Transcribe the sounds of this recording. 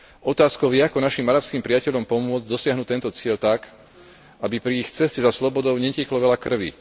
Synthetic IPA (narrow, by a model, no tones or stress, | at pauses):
ɔt̪aːskɔʊʋɪɛakɔnaʃimaɾapskimpɾiacɛʎɔmpɔmʊɔd͡zɟd̪ɔsɪaɦnut̪ɛnt̪ɔt͡sɪɛlt̪ak | abipɾiixt͡sɛscɛzaslɔbɔd̪ɔʊɲɛcɛklɔʋɛʎakr̩ʋḭ